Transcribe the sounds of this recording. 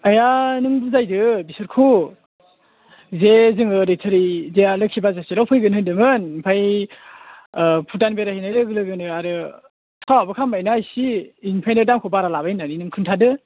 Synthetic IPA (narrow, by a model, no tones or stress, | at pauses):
ajanɯŋbuzajdɯbisɯɾkʰu | zezɯŋɯɾetʰɯɾizejalɯkʰibazaselawpʰɯjɡɯnɯndɯmɯnpʰaj | pʰutanbeɾahinajlɯɡɯlɯɡɯnɯaɾɯ | tʰawabɯkʰambajnajsiːnpʰajnɯdamkʰɔbaɾalabajnaninɯŋkʰɯntʰadɯ